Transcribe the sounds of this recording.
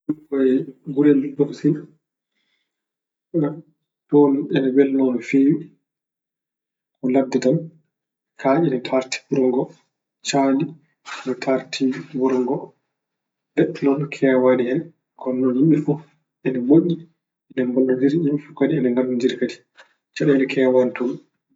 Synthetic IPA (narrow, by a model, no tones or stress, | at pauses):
ufɔjɡulɛmdɔfsin | a | tɔnɛnɛbɛlnɔnfiːwi | kɔladːɛtan | kʰaʔinɛtʰaɾti̥buɾɔŋɡɔ | t͡ʃaːli | nɔtʰaɾtʰibuɾɔŋɡɔ | lɛɗnɔnkʰɛːwadihɛn | kɔnːɔnjimifu | ɛnɛmoʔːi | ɛnɛmbɔlːad͡ʒiɾimifukadiɛnɛŋɡalːud͡ʒiɾkadi̥ | t͡ʃaɗɛnɛkʰɛːwantɔn